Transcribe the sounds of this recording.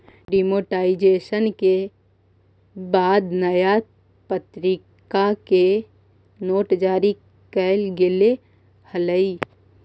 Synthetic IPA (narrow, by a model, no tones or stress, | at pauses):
ɖimoːʈaːɪd͡ʒeːʃənke | baːd̪nəja | pət̪ɾɪ | kake | noːʈd͡ʒaːɾi | kɛlɡɪle | hələi